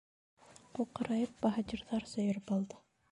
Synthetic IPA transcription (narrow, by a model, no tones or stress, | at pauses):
uqɑ̆ɾɑjɤp̚bɑɦat̪ʲiɾðɑɾsɵ̆jɤ̆ɾɵpɑlˠd̪ɤ